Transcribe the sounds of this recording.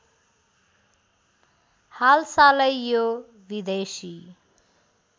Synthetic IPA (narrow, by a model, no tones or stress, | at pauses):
halsalʌjjːo | bid̪esi